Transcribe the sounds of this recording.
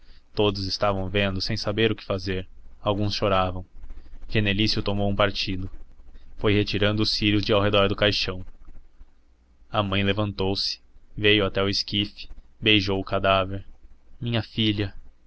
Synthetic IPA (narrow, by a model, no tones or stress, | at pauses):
t̪od̪ʊzɪst̪avɐ̃w̃vẽnd̪ʊsẽj̃sabeɾʊkɪ̥fazeɾawɡũsʃoɾavɐ̃w̃ʒenelisjʊt̪omowũpaɾt͡ʃid̪ʊfojhet͡ʃiɾɐ̃nd̪ʊʊsiɾʊzd͡ʒɪawɦed̪ɔɾd̪ʊkajʃɐ̃w̃ | ɐmɐ̃j̃levɐ̃nt̪owsɪ̥vejʊat̪ɛʊɪskifɪ̥bejʒowʊkad̪aveɾmĩɲɐfiʎɐ